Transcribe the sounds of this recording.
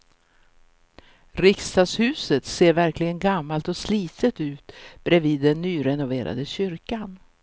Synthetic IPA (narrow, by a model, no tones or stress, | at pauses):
ɾɪkst̪ɑːd̪shʉ̟ːsət̪seːɾvæɾklɪɡənɡamːalt̪ɔsliːt̪ʰət̪ʉ̟ːt̪b̥ɾɛviːd̪ːɛnːyːɾɛnʊveːɾa̰d̪əɕʏɾkan